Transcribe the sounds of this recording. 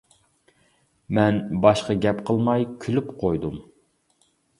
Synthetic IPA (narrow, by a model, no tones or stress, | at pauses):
mɛnbɑʃqɑɡʲɛpqʰəlˠmɑjkʲʰylypqʰojd̪um